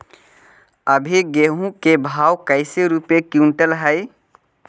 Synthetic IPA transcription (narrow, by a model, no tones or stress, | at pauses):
əbʱiɡeːɦũkebʱaːwkəɪseɾupekjuːɳʈəlɦəɪ